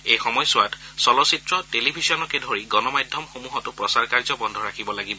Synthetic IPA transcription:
ejxɔmɔjsʊwatsɔlɔsitɹɔtelibʱisɔnɔkɛdʱoɹiɡɔnɔmajdʱjɔmxomuɦɔtʊpɹɔsaɹkaɹzɔbɔndʱɔɹakʰibɔlaɡibɔ

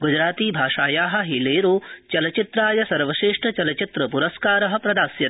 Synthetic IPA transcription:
ɡud͡ʒɾaːt̪iːbʱaːʂaːjaːɦɐ̆ɦileːɾoːt͡ʃɐlɐt͡ʃit̪ɾaːjɐsɐɾʋɐʃeːʂʈɐt͡ʃɐlɐt͡ʃit̪ɾɐpuɾɐskaːɾɐɦɐ̆pɾɐd̪aːsjɐ

